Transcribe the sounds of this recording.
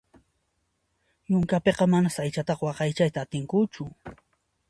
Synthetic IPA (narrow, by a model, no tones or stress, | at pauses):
jʊŋkapeqɑmanasajt͡ʃat̪ɑχwɑqɑjt͡ʃajt̪aːt̪ɪŋkʊt͡ʃʊ